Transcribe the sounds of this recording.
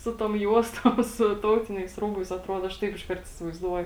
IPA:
ˈsʊ toːm ˈjuɔstoːm sʊ ˈtɐʊtʲɪnʲɛɪs ˈruːbɐɪs ɐtˈruɔt ˈɐʃ ˈtɐɪp ɪʃˈkɐrt ɪsʲɪʋɐɪzˈduɔjʊ

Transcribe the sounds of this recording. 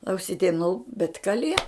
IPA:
ɐʊˈsʲiːtʲɛm nʊ bʲɛt kɐˈlʲiɛ

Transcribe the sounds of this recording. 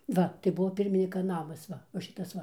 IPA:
ˈʋɐ tɐɪ ˈbʊʋoː ˈpʲɪrʲmʲɪnʲɪkɐ ˈnɑːmɐs ˈʋɐ ʋɐ ˈʃʲɪtɐs ˈʋɐ

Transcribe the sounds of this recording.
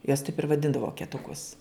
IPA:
juɔs tɐɪp ɪr ʋɐˈdʲɪndɐw ʋoːkʲɛtʊˈkʊs

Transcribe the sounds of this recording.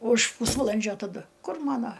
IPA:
ʊʃ ˈpuːsʋɐlˠɐnʲd͡ʒʲoː tɐˈdʊ ˈkʊr ˈmɑːnoː

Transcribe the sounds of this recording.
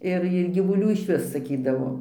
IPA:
ˈɪr ɪr ɡʲiːʋʊˈlʲuː ɪʃʲˈʋʲɪs sɐˈkʲiːdɐʋoː

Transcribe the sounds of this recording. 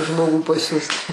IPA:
ˈʒmoːɡuː pɐˈsʲuːst

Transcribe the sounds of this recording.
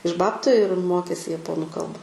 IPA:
ɪʃ ˈbɑːptʊ ɪr ˈmoːkʲeːsʲɪ jɛˈpoːnʊ ˈkɐlˠbɐ

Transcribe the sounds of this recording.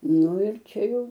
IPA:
ˈnʊ ɪr ˈt͡ʃʲɛ ˈjɛʊ

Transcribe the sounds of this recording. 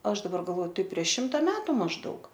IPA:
ˈɐʃ dɐˈbɐr ɡɐlˠˈoːˈtɐɪ pʲrʲiɛʃ ˈʃʲɪmtɐ ˈmʲæːtʊ mɐʒˈdɐʊk

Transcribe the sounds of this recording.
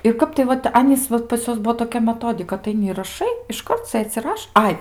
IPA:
ɪr ˈkɐp tɐɪ ˈʋɐt ˈɑːnʲiːs ˈʋɐt pɐs ˈjuɔs ˈbuɔ toːˈkʲɛ mʲɛˈtoːdʲɪkɐ ɐtɐɪˈnʲɪ ɪr rɐˈʃɐɪ ɪʃˈkɐrt ˈsɘt͡s ɪ ˈrɐʃ ˈɐɪ

